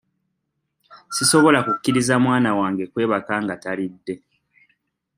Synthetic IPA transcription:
siso̞βo̞lakukːiɾizamwaːnawaːŋɡe̞kwe̞ːβakaːŋɡatalidːe̞

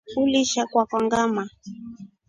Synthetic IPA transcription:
uliʃakwakɔŋɡama

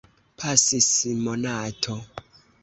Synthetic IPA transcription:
pʰasisimonatʰo

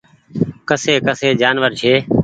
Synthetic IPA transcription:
kəseːkəseːd͡ʒaːnʋəɾt͡ʃʰeː

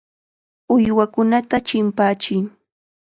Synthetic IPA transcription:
ʊjwakʊnat̪at͡ʃɪmpaːt͡ʃɪŋ

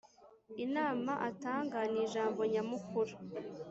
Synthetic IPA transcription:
inaːmaʔataːŋɡaniʒaːmbo̞ɲamukuɾa

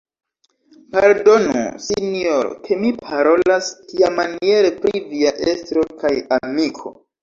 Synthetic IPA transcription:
maldo̞nṵsinioɾo̰kʰe̞mipʰaɾo̞lastiamanie̞ɾepɾiviaʔe̞stɾo̞kajamikʰo̞̰

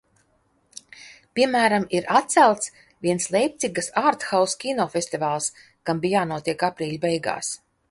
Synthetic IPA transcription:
pʲiɛmæːɾamiɾat̪t̪sælˠt̪s | vʲiɛnslˠɛjp̚t̪siɡasaːɾt̪xawskʲinɔfʲesʲt̪ivaːlˠs | kambijaːnuɔt̪iɛkapɾiːlʲbɛjɡa̰ːs

